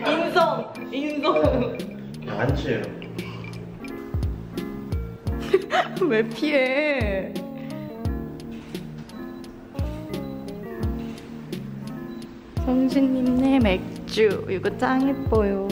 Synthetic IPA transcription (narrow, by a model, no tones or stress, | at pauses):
imsʰoŋ | iŋsʰoŋ | kant͡ɕʰejo | mepʰie | sʰoŋɕʰiɲːimnemek̚t͡ɕ͈uiɡɯt͡ɕ͈aŋep͈ojo